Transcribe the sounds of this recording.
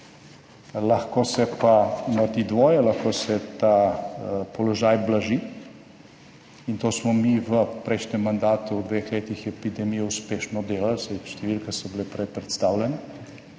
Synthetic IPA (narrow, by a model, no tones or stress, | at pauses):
laxkosɛpanat̪id̪ʋoːjɛlaxkoːsɛt̪a | pɔlɔʒaːjblaʒi | int̪oːsmɔmiʋəpɾɛjʃnʲɛmːand̪aːt̪uwd̪ʋexleːt̪ixjɛpid̪ɛmijɔuspeːʃnɔd̪eːlalsajʃt̪ɛʋilkasɔbilːpɾepɾɛt̪st̪awlʲɛna